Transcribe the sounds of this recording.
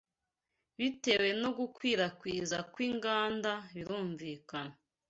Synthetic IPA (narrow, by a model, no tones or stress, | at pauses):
βite̞we̞no̞ɡukwiːɾakwiːzakwiːŋɡaːndaβiɾuːɱviːkana